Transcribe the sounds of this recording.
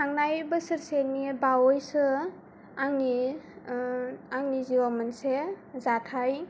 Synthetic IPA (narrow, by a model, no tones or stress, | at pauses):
aŋnajbɯsɯɾsenibawɔjsɯ | aŋni | aŋniziwamansezatʰaj